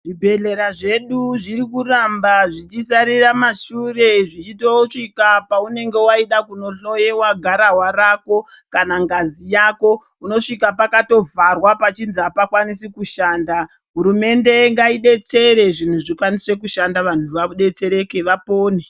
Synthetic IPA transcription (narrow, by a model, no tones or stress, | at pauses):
ʐibʱe̞ɮe̞ɾaʐe̞ɗuʐiɾikurambaʐit͡ʃisaɾiramaʃure̞ʐit͡ʃito̞ʂikapaune̞ŋɡe̞waiɗakunoojewaɡʱaɾaɦwarako̞kanaŋɡazijako̞ | uno̞ʂikapakato̞varwapat͡ʃinziapakwanisikuʃaːnda | ɦuɾume̞nde̞ŋɡaiɗe̞t͡se̞ɾe̞ʐin̤uʐikwanise̞kuʃandaʋan̤uʋaɗe̞t͡se̞ɾe̞ke̞ʋapo̞ːne